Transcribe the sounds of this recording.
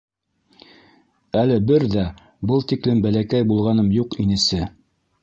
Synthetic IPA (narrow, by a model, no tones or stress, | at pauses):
ælɘbɘɾðæ | bɤlˠt̪iklɘmbælækæjbulˠʁɑnɤmjuqinɘ̆sɘ